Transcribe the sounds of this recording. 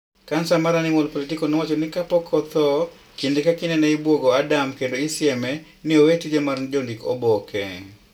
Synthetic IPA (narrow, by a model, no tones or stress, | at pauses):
kansamaɾanɪmolpolitikonowat͡ʃonɪkapɔkʰɔt̪ɔ | kindekakɪnɛnɛɪbwoɡɔadamkendoɪsɪɛmɛ | nɪowetid͡ʒɛmarnd͡ʒɔndiko̰bɔkɛ̰